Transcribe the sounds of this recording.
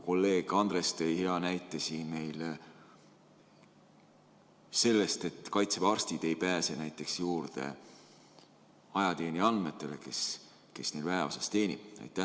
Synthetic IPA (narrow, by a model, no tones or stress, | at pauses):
ko̞lːe̞ːɡ̥ɑnd̪re̞st̪ejhe̞ɑnæjt̪ːˑesiːnme̞jl | se̞lːe̞st̪e̞t̪kɑjt̪sevɑrst̪id̪̥e̞jpæːse̞næjt̪ːˑe̞ksjuːɾd̪e̞̰ | ɑjɑt̪e̞ːnʲiɑnd̪me̞t̪ːˑe̞le̞ke̞s | ke̞snejlvæeo̞̰sɑst̪e̞ːnʲḭb̥ɑ̰jt̪ˑːæ